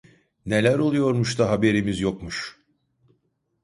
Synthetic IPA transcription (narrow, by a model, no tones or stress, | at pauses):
ne̞lʲæɾo̞lˠujo̞ɾmuʃt̪ʰaɦabe̞ɾimizjokmuʃ